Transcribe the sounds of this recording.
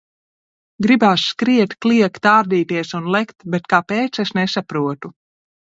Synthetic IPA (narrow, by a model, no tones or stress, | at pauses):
ɡɾibaːsːkɾiɛt̪kliɛkt̪aːɾd̪iːt̪iɛsunlˠɛkt̪bɛt̪̚kapeːt̪sesnɛsapɾuɔt̪u